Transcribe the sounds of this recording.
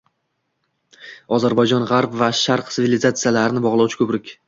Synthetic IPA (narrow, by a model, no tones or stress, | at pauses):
ɒzaɾbajd͡ʒɒnʁaɾpvaʃaɾqsɪvilɪzat̪sɨjalaɾɪnɪbɒʁlˠawt͡ʃʰɪkʰɵpɾɪkʲ